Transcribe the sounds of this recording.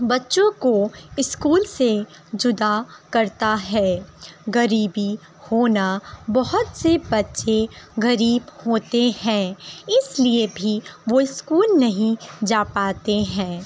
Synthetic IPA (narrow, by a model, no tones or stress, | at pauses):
bɐtːʃõkoɪskuːlse | d͡ʒʊd̪akɐɾt̪aɦɛːɣɐɾiːbi | hoːnabɐɦʊt̪sebɐtːʃeɣɐɾiːbhoːt̪eɦɛ̃ːɪsliebʱiʋoɪskuːlnɐɦĩd͡ʒaːpaːt̪eɦɛ̃ː